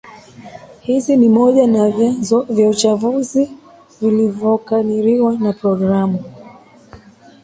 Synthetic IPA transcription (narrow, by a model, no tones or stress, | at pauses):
hizinimɔʄanavjaut͡ʃavuzi | vilivjɔkaliɾiwanapɾɔɡɾamu